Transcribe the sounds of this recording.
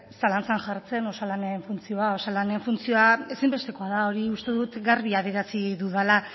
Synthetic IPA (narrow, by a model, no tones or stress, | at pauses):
salant͡sanʝaɾt͡se̞no̞salaneɱfunt͡sio̞ao̞salane̞ɱfunt͡sio̞ae̞simbe̞st̪e̞ko̞aðao̞ɾiust̪e̞ðut̪ɡaɾβiaβeɾasiðuðala